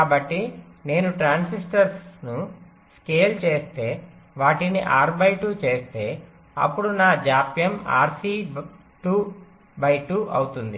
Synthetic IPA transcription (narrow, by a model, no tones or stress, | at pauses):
kaːbɐʈːine̞ːnuʈɾaːnsisʈɐɾsnu | ske̞ːlt͡ʃe̞ːst̪e̞ːʋaːʈinḭʔaːɾbɐjʈuːt͡ʃe̞ːst̪e̞ː | ɐ̰pːuɽunaːd͡ʒaːpjɐma̰ːɾsi | ʈuː | bɐjʈuʔɐwt̪und̪i